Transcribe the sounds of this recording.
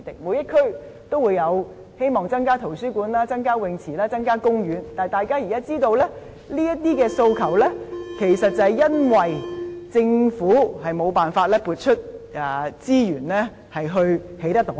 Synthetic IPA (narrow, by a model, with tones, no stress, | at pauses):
t̪ɪ˨˩k̚muː˨˧jɐ˥t̚kʰɵ˥ɥt̪o˥wuː˨˧jɐ˨˧w | he˥jmɔː˨ŋt͡sɐ˥ŋkaː˥t̪ʰo˨˩wsyː˥kuː˨˧nlaː˥t͡sɐ˥ŋkaː˥wɪ˨˧ŋt͡sʰiː˨˩laː˥t͡sɐ˥ŋkaː˥kʊ˥ŋjyː˨˧nt̪aː˨˩jt̪aː˨jkaː˥ji˨kaː˥t͡siː˥t̪o˧wlɛː˥ | liː˥jɐ˥t̚t̪iː˥kɛː˧so˧wkʰɐ˨˩wlɛː˥kʰe˨˩jsɐ˨t̚t͡sɐ˨jɐ˥nwɐ˨˩jt͡sɪ˧ŋfuː˨˥hɐ˨jmo˨˧wpaː˨˩nfaː˧t̚lɛː˥puː˧t̚t͡ʃʰɵ˥t̚ː | t͡siː˥jyː˨˩nlɛː˥ | hɐ˨jɦɵ˧ɥhe˨˥jt̪ɐ˥k̚t̪o˨˥